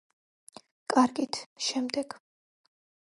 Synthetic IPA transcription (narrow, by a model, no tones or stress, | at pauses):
kʼaɾɡit̪ʰʃɛmd̪ɛɡ̥